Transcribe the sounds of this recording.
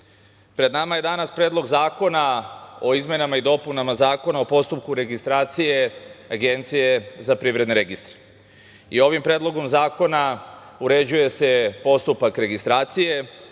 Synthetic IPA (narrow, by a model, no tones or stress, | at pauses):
pɾe̞d̪namaje̞d̪anaspɾeːd̪lˠo̞ɡzaːko̞nao̞izmjenamaid̪o̞punamazaːko̞naopo̞st̪upkuɾe̞ɡist̪ɾaːt̪sije̞aɡe̞nt̪sije̞zapɾiʋɾe̞d̪neɾeɡist̪ɾe̥ | io̞ʋimpɾe̞ːd̪lˠo̞ɡo̞mzaːko̞nauɾe̞d͡ʑuje̞se̞po̞st̪upakɾe̞ɡist̪ɾaːt̪sije̞